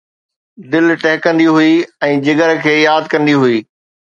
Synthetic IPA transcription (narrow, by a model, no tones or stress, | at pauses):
d̪ɪlʈɛɦɪkɐ̃nd̪iɦuiɛ̃ːd͡ʑɪɡəɾkʰeːjaːd̪kɐ̃nd̪iɦuiː